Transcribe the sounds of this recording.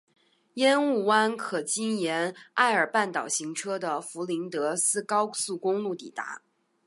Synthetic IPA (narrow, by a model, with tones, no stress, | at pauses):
jɛ˥nu˥˩wa˥nkʰɤ˨˩t͡ɕi˥njɛ˧˥na˥˩ɪə˞˨˩pa˥˩nt̪ɑ˨˩ʊɕi˧˥ŋʈ͡ʂʰɤ˥d̪ə˨fu˧˥li˧˥ŋt̪ɤ˧˥sɹ̩˥kɑ˥ʊsu˥˩kʊ˥ŋlu˥˩t̪i˨˩t̪a̰˧˥